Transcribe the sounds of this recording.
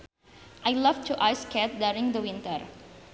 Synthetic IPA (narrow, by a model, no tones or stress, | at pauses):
ʔajlavtʰuʔajskɛt̪̚duɾĩŋd̪əwɪ̃nt̪əɹ